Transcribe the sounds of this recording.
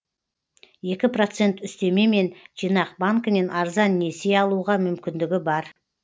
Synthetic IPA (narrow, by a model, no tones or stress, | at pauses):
je̞kʲɪpro̞t̪se̞nt̪ʏst̪e̞me̞me̞nʒ̥ijnɑq̚baŋkəne̞nɑɾzɑnːe̞se̞ɑlˠuʁɑmʏmkʲɪnd̪ɪɡʲɪbɑɾ